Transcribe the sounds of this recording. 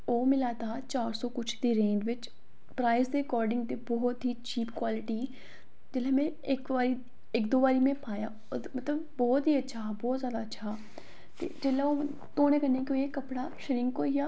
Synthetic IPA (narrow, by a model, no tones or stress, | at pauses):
oːmɪlaːt̪aːt͡ʃaːɾsɔːkʊt͡ʃʰd̪eːɾẽːɳʋɪt͡ʃ | pɾaːɪsd̪eːɾɪkɔːɾɖɪ̃ŋɡt̪eːbɔːt̪ɦiːt͡ʃʰiːpkwaːlɪʈiː | d͡ʒeːlaːmẽː | ɪkʋaːɾiː | ɪkd̪oːbaːɾiːmẽːpʰaːja̰ː | mət̪ləbːɔːt̪ɦiːətːʃʰaːbɔːt̪zjaːd̪aːətːʃʰaː | t̪ḛːd͡ʒeːlaːoː | t̪oːnẽːkənːẽːkeojeːkəpɽaːʃəɾɪ̃ŋɡkoːijaː